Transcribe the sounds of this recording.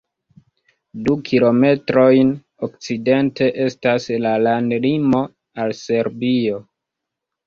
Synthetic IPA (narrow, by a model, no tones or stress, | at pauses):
dukʰilo̞me̞tɾo̞jn | ok̚t͡side̞nte̞ʔe̞staslalandlimo̞ | alse̞ɾbio̞